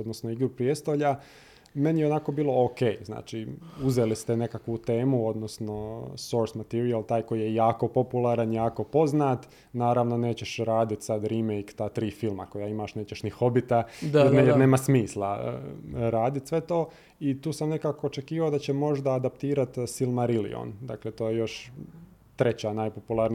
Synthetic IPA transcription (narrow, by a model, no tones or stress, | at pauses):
od̪nosnoiɡɾupɾijest̪oʎa | me̞nijeo̞nako̞biːlˠo̞oke̞ːjzna̰ːt͡ʃiuzelist̪ene̞kakʋut̪e̞ːmuod̪nosno̞so̞ɾsmat̪iɾialˠt̪aːjko̞jijejaːko̞po̞pulˠaɾanjaːko̞po̞znaːt̪ | naːɾaʋno̞ne̞ːt͡ɕeʃɾaːd̪it̪sad̪ɾimejkt̪aːt̪ɾiːfilˠmakojaimaʃne̞ːt͡ɕeʃnixo̞bit̪ad̪neːmasmiːslˠa | ɾaːd̪it̪sʋe̞t̪o̞ː | it̪uːsamne̞kaːkoːt͡ʃe̞kiːʋaod̪at͡ɕemo̞ʒd̪aːd̪ap̚t̪iːɾat̪silˠmaɾilḭo̰nd̪a̰kle̞t̪oːjejo̞ʃ | t̪ɾe̞t͡ɕanaːjpopulˠaɾni